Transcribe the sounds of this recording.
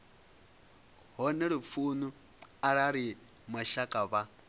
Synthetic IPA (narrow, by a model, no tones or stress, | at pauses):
ɦɔnɛɺip̪fuːnu | aɺaɺi | maʃakʼaβa